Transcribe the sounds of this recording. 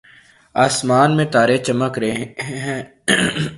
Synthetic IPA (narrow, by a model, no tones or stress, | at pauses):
aːsmaːnmẽt̪aːɾet͡ʃɐməkɾɦɛ̃ː